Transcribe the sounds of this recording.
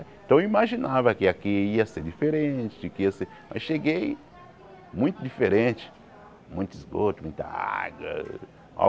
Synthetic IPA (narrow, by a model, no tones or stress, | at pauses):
ẽt̪ɐ̃w̃imaʒinavɐkɪakiiɐseɾd͡ʒifeɾẽt͡ʃɪd͡ʒɪkɪiɐseɾma̰sʃeɡej | mũj̃t̪ʊd̪ifeɾẽt͡ʃɪ̥ | mũj̃t̪ʊizɡot̪ʊmũj̃t̪ɐa̰ɡwɐ̰ | a̰